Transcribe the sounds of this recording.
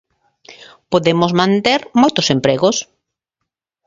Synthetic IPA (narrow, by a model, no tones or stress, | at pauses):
poðemʊzmãnt̪eɾmojt̪ʊsempɾeɣʊs